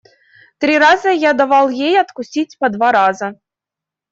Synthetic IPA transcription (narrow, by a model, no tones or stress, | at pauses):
t̪ɾʲiɾazəjad̪avɑlˠjejɐt̪kʊsʲitʲpɐd̪vaɾazə